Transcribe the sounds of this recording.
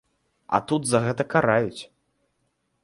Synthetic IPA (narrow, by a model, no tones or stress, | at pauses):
ɐ̰t̪ud̪zɐɣɛt̪ɐkaɾajut͡sʲ